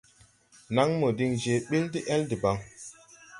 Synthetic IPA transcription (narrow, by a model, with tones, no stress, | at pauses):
na˦ŋmo˨di˦ŋd͡ʒe˨ɓi˦ldi˦ʔɛ˦ldi˨ba˦ŋ